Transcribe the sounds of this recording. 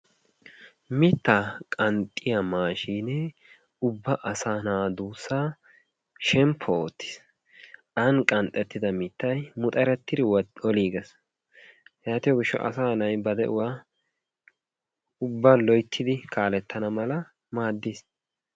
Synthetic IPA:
mɪt̪ːakʼɐnt̪ʼːɪjɐmaːʃiːnɛ | ʊbːɐʔɐsaːnaːd̪uːsːaː | ʃɛmpʰːɔoːt̪ːɪ̥s | ʔɐnkʼɐnt̪ʼːɛt̪ːɪd̪ɐmɪt̪ːɐjmʊt̪ʼɐɾɛt̪ːɪd̪ɪɔliːɡɛs | jaːt̪ɪjoɡɪʃːɔ̰ʔɐ̰saːnɐjbɐd̪ɛʔʊwaː | ʊbːɐlɔjt̪ʰːɪd̪ɪkʰaːlɛt̪ːɐnɐmɐlɐ | maːd̪ːɪs

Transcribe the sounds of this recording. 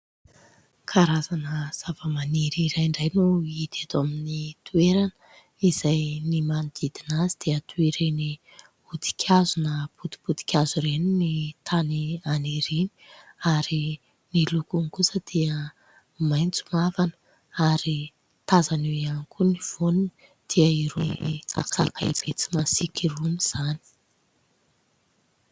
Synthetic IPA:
kʰaɾazanəz̥avəmaniɾiɾajɳɖ͡ʐajnuid̪̥at̪oaminit̪ʰueɾanə | izajnimanid̪id̪̥inazid̪̥eət̪ueɾeni | ud̪i̥kʲʰazunəpud̪i̥pud̪i̥kʲazuɾeninit̪ʰanianeɾini̥aɾi | nilukunikusəd̪̥iə | majnt͡su̥mavanə̥ | aɾi | t̪azanewianikʰuniv̥onunə | d̪̥iəiɾuna̰kakaib̥et͡si̥masikiruniz̥ani̥

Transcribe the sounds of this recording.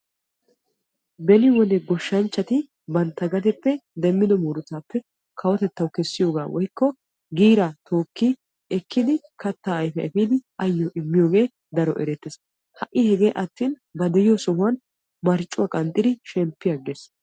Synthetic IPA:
bɛlɪwɔnɛɡɔʃːɐnt͡ʃːɐt̪ɪ | bɐnt̪ːɐɡɐt̪ɛpːɛd̪ɛmːɪd̪ɔmuːɾʊt̪aːpːɛ | kʰɐwɔt̪ɛt̪ːɐwkɛsːɪjoːɡaːwɔjkːɔ | ɡiːɾat̪o̞ːkːi | ɛkʰːɪd̪ɪ | kɐt̪ːaːɐjfɛɛfiːd̪ɪʔɐjːɔʔɪmːɪjo̞ːɡe̞ː | d̪ɐɾɔʔɛ̰ɾɛt̪ːes | hɐʔːɪhɛɡe̞ːʔɐt̪ːiːn | bɐd̪ɛjɪjɔsɔhʊwɐn | mɐɾt͡ʃʼːʊwaːkʼɐnt̪ʼːɪd̪ɪʃɛmpːɪjɐɡeːs

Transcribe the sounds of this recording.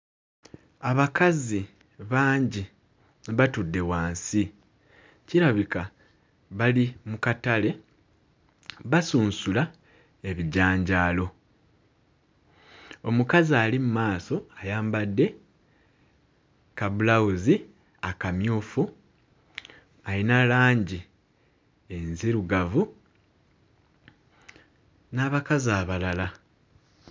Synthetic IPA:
aβakazi | βaːɲɟi | nβatudːe̞waːnsi | ciɾaβika | βalimukatale̞ | βasuːnsula | e̞βiɟaːɲɟaːlo̞ | o̞mukaziaːlimumaːso̞ajaːmbadːe̞ | kaβulawuzi | akamjuːfu | alinalaːɲɟi | enziɾuɡavu | naβakazaːβalala

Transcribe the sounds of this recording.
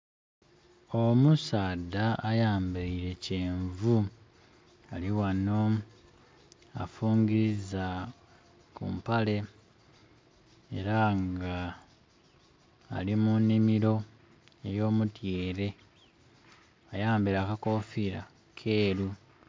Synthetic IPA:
omusaːdaajaːmbaiɾe̞ceːɱvu | aliwano | a̰fuːŋɡiɾiza | kṵmpale̞ | ḛɾaŋɡa | limunːimiɾo̞ | e̞jo̞ːmutjeːɾe̞ | ajaːmbiɾakako̞fiɾa̰ | kʰe̞ːɾu

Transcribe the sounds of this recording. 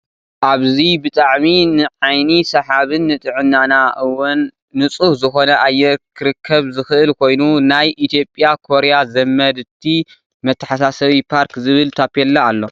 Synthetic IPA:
ʔaβzibɨt̪ʼaʕminɨʕajnisɐħaβɨnːɨt̪ʼɨʕɨnːanaʔɨwʊnː | ɨt͡sʼuhzɨxo̞nɐʔajːɛkʰɨɾɨkʰːɐβzɨxɨʔɨlkʰo̞jnunajʔit̪ʰjo̞pʼjakʰo̞ɾejazɐmːɐd̪t̪ʰːi | mɐt̪ʰːɐ̥ħasasɐβipʰaɾkzɨβɨlt̪ʰapʰːelːaːlːo̞

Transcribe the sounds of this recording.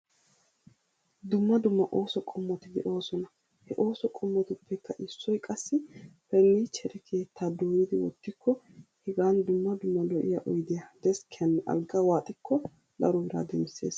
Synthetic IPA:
d̪ʊmːɐd̪ʊmːɐʔo̞ːsɔkʼɔmːɔt̪ɪd̪ɛʔo̞ːsɔnɐ | hɛʔo̞ːsɔkʼɔmːɔt̪ɪʊpːɛkːɐʔɪsːɔjkʼɐsːɪpɛlːiːt͡ʃʰɛɾɛkʰe̞ːt̪ːaːd̪oːjɪd̪ɪwɔ̰t̪ːɪkʰːɔ | hɪɡaːnd̪ʊmːɐd̪ʊmːɐlɔʔɪ̰jɐʔɔjd̪ɪjɐd̪ɛskʰɪɐnːʔɐ̰lɡɐwaːt̪ʼɪkʰːɔ | d̪ɐɾɔbɪɾa̰ːd̪ɛmsḛːs

